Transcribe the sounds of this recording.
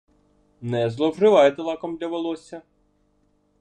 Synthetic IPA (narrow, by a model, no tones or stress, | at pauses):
nɛzlˠɔwrɪʋɑjet̪elˠɑkɔmd̪lʲɐʋelˠɔsʲɐ